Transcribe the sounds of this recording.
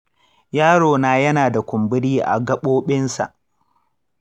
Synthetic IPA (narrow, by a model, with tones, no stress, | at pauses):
jaː˦ɽoː˨naː˨˦jɐ˦naː˨da˨kʷʊ˨mbɪ˦ɽiː˦ʔa̰˨ɡɐ˦ɓoː˦ɓɪ˦nsa̰˨ʔ